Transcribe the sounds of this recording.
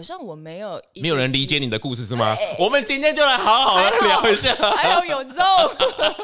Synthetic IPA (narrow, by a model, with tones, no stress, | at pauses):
ɕɑ˥˩ŋwɔ˨˩me˧˥ɪjo˨˩ʊm˧˥jo˨˩ɻə˧˦nli˧˥t͡ɕjɛ˧˦ni˨˩d̪ə˦ku˥˧ʂɻ̩˥˧˩ɻ̩˥˩mɐ̰˨˩wɔ˨˩mə˨˦nt͡ɕi˥nt̪ʰjɛ˥nt͡ɕjo˥˩ʊla˧˥ɪxɑ˧˥ʊxɑ˨˩ʊd̪ə˧a˧˥ljɑ˧˥ʊi˧˥ɕja˥˩˧jo˧ʊjjo˨˩ʊt͡so˥˩